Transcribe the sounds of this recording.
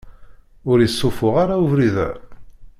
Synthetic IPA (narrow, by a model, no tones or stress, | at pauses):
ʊɾjəsˤːʊfʊʁaɾauvɾiðæ̰